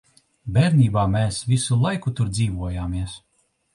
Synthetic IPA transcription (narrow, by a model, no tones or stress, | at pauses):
bʲɛɾnʲiːbaːmeːsvʲisulˠajkut̪uɾd̪ziːvuɔjaːmiɛs